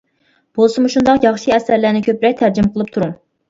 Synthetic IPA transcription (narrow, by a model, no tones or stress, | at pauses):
b̥olˠsɨmuʃund̪ɑqjɑχʃiɛsæɾlæɾnɪkʲʰøpɾɛk̚ʲt̪ʰæɾd͡ʒimqʰəlˠɨp̚t̪ʰuɾuŋ